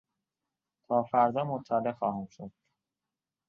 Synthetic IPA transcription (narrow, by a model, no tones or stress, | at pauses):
t̪ʰɒːfæɾd̪ɒːmot̪ʰːælexɒːhæmʃod̪̥